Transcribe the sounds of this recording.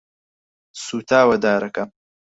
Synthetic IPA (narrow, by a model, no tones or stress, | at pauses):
suːt̪ʰaːwɐd̪aːɾɐkɐm